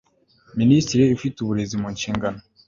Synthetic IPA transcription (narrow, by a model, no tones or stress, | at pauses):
ministiɾiifituβuɾe̞zimuɲʃiːŋɡano